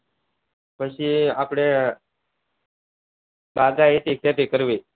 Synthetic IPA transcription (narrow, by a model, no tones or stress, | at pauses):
pəɕiapɽe | baɡaɦet̪ek̚t̪jat̪ekəɾʋe